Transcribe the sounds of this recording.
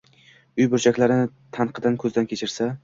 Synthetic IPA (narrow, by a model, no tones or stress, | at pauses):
ʊjbʊɾt͡ʃʰakʲlaɾɪnɪ | t̪ʰanqʰɨd̪ankʰɵzɪd̪ankʲʰe̞t͡ʃʰɪɾsa